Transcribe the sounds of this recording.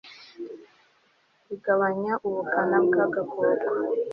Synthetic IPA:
iɡaβaɲaʔuβukanabɡaɡakoːɡa

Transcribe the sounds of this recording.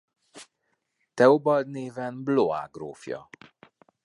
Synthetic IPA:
t̪ɛobɒld̪neːvɛnbloa̰ːɡroːfjɒ̰

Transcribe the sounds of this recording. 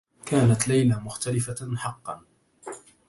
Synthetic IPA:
kaːnat̪lajlamʊxt̪alɪfaħɑqːɑ̰n

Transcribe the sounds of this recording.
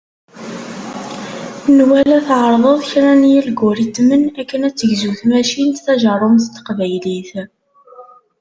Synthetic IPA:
nwælæθʕəɾˤðˤəðˤçɾænijilɡːʊɾit̪ːmənækːənæt͡sːəʝzuθmæʃint̪θæʒərˤomθt̪ːqvæjliθ

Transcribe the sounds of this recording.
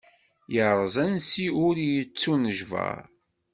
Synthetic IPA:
jəɾˤəzˤænsiʊɾjət͡sːunəʒvə̰ɾˤ

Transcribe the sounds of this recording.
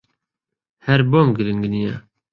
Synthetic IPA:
hɛɾbomɡɨɾɨŋɡnijɛ

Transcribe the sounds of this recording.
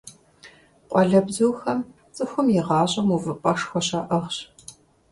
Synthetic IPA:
qʷʼɔɮɐbzuwxɐm | t͡sʼɨxʷʊmjɪʁɑːɕʼɐmuvɨpʼɐʂxʷɔɕɐʔɐʁɕ

